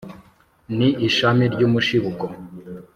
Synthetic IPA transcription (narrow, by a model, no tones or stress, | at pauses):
niʔːʃamiɾɟuːmuʃiβuko